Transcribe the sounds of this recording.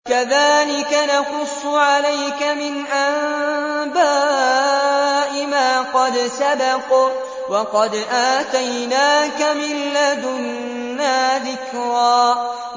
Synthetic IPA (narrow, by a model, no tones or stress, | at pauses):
kaðaːlɪkanɑqʊsˤːʊʕalajkamɪnʔambaː | ʔɪmaːqɑd̪sabɑq | wɑqɑd̪ʔaːt̪ajnaːkamɪlːad̪ʊnː | aːðɪkɾaː